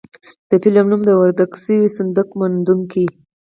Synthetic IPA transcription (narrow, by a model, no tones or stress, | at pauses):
d̪̥əpilamnumd̪əwaɾd̪aɡsəwisənd̪əkmand̪uŋki